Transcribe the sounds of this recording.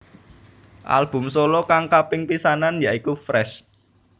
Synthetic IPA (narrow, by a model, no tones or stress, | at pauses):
ʔa̰lb̥ʊ̤msolɔkaŋkapɪŋpisananjaʔikufɾɛs